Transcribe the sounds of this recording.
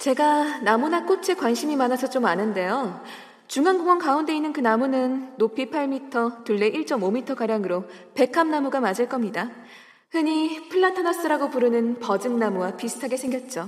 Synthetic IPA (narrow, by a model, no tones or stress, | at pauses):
t͡ɕe̞ɡanamunak͈ot͡ɕʰekwanɕʰimimanasʰʌt͡ɕ͈omanɯnde̞jo | t͡ɕuŋanɡoŋʌnkaunde̞inːɯnkɯnamunɯnːopʰipʰaɭmitʰʌtuɭːe̞ʔiɭt͡ɕ͈ʌmomitʰʌkaɾjaŋɯɾope̞kʰamnamuɡamad͡ʑɯɭk͈ʌmɲida | hɯɲipʰɯɭːatʰʌnʌs͈ɯɾaɡopuɾɯnɯnpʌd͡ʑɯnnamuwapisʰɯ̥tʰaɡe̞sʰe̞ŋɡjʌt̚t͡ɕ͈o